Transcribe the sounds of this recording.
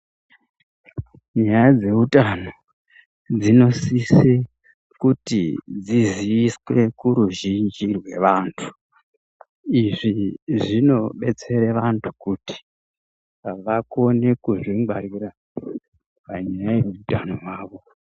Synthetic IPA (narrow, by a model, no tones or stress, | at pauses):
ɲajad͡ze̞utano̞ | d͡zino̞sise | kutḭd͡ziziiswe̞kuɾuʒind͡ʒirwe̞̰ʋantʰu̥ | iʐiʐino̞ɓe̞t͡se̞ɾeʋantʰu̥kuti̥ | ʋako̞ne̞kuʐiŋaɾiɾa | paɲajajeutanowaːʋo̞